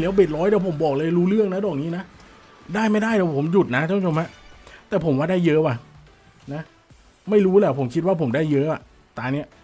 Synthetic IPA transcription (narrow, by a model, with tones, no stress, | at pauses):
lɛː˦˥wbe˨˩t̪̚ɾɔː˦˥j̪ɛː˧˩pʰo˩˦mbɔː˨˩k̚lɤː˧jɾuː˦˥lɯ˥˩əŋna˦˥dɔː˨˩k̚niː˦˥na˦˥ʔ | daː˥˩jma˥˩jdaː˥˩jd̪ɛː˨˩pʰo˩˦mju˨˩t̪̚na˦˥tʰaː˧˩pʰːt͡ɕʰo˧mha˦˥ʔt̪ɛː˨˩pʰo˩˦mwaː˧˩daː˥˩jːɤ˦˥wa˨˩ | na˦˥ | ma˥˩jɾuː˦˥lɛː˨˩pʰo˩˦mkʰi˦t̪̚waː˥˩pʰo˩˦mdaː˥˩jːɤ˦˥ʔa˨˩ | t̪aː˨˧˦ni˦˥ɐ